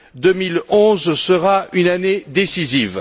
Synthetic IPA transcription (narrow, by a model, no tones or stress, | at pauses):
d̪əmilɔ̃zsəʁaynaned̪esiziv